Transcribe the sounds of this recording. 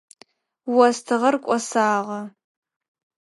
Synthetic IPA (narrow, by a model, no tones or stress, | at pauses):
wɐstʰɨʁɐrkʷʼɔsaːʁɐ